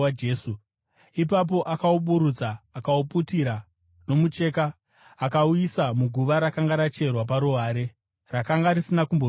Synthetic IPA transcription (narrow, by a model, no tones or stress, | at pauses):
eːsu | ip̬ap̬o̞ʔakauɓuɾud͡zaːkauputiɾa | no̞mut͡ʃe̞kaː | kauisamuɡʱuʋaɾakaŋɡaɾat͡ʃe̞rwap̬aɾuɦaːɾe̞ | rakaŋɡaɾisinakumbo